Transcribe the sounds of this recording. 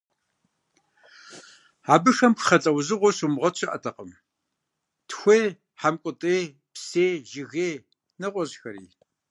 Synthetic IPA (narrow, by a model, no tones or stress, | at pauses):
aːbɨʂɐmkχɐt͡sʼɐwzɨʁʷɔɕʷumʁɐt͡ɕʰɪʔɐ̰tʰɐqəm | tʰxʷeː | ħamkʷʼʊtʼeː | pseːʒɪɣeː | nɐqʷʼɔʑxɐɾḭː